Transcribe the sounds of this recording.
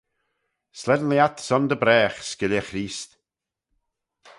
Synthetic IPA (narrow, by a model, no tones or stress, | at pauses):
slɛd̪nliat̪sɔnd̪əbɾɛːxskɪljəxɾiːst̪